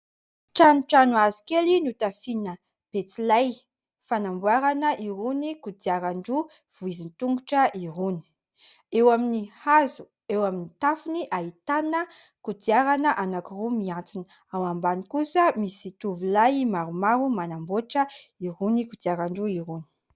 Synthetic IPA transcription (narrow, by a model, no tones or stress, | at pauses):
ʈ͡ʂanuʈ͡ʂanuazi̥kelinut̪afinə | b̥et͡silaj | fanambuaɾanəʔiɾunikud̪iaɾaɳɖ͡ʐu | v̥uizint̪uŋɡuʈ͡ʂəʔiɾuni̥ | ewaminihazu | ewaminit̪afuniʔaɦit̪anə | kud̪iaɾanəʔanakirumiãnt͡sin | awambanikusəmisit̪uvilajmaɾumaɾumanamboʈ͡ʂəiɾunikud̪iaɾaɳɖ͡ʐuiɾuni̥